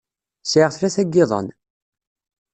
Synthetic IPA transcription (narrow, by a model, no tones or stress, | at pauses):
sʕəʁθlæθæɡːɪðˤə̰n